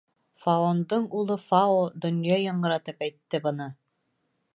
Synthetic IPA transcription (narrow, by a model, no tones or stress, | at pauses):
faond̪ɤɴulˠɤfɑod̪ŏnjɑjɑ̆ɴɢɤ̆ɾɑt̪ɤpæjt̪ːɘbɤ̆nɤ